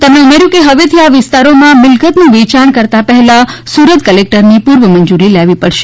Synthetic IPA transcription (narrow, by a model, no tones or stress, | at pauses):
t̪əmeumeɾjũkeɦəʋet̪ʰiaʋɪst̪aɾomãmɪlkət̪nũʋet͡ʃaɳkəɾt̪apəɦɛlasuɾət̪kəlek̚ʈəɾnipuɾʋəməɲd͡ʒuɾilaʋipəɽʃe̥